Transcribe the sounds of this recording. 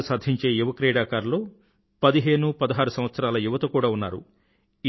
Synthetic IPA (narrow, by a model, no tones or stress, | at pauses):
saːd̪ʱiɲt͡ʃe̞ːjuʋɐkɾɛːɽaːkaːɾlo̞ː | pɐd̪iɦe̞ːnupɐd̪ɐɦaːɾusɐmʋɐt̪sɐɾaːlɐjuʋɐt̪ɐkuːɽaːunːa̰ːɾṵ